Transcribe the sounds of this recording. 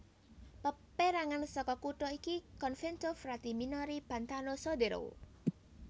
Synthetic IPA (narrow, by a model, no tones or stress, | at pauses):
pəpeɾaŋansɔkɔkuʈɔikikɔnfɛnt̪ɔfrad̪̥i̤minɔɾib̥a̤nt̪anosod̪eɾo̰w̰